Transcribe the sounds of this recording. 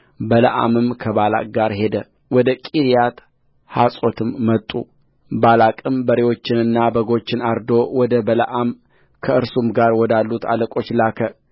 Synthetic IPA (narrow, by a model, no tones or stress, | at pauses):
bələ̰ʔa̰mɨmkʰəβala̰k̚ʼɡaɾɦe̞d̪ə | wɔd̪əkʼiɾijat̪ | hasʼo̞t̪ʰɨmːət̪ʼṵ | balakʼɨmbəɾewo̞t͡ʃːɪnɨnːabəɡo̞t͡ʃːɪnaɾd̪o̞wɔd̪əbələ̰ʔam | kʰəɨɾsumɡaɾwɔd̪alːut̪ʰa̰ləkʼo̞t͡ʃːlakʰə